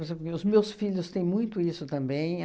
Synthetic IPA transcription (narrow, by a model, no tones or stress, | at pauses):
ɾezẽpɾʊkɪʊzmewsfiʎjʊst̪ẽj̃mũj̃t̪ʊisʊt̪ɐ̃mbẽj̃